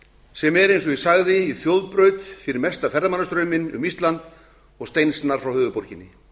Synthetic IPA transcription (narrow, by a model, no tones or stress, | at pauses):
sɛmɛɾejnsɔisaɣðɪiθjowðpɾœɥt̪fɪɾɪɾmɛst̪afɛɾðamanːast̪ɾœɥmɪnʏ̰mist̪lant̪ | ɔɣst̪ejnsnaɾ̥fɾawhœːðʏpɔɾcɪnːɪ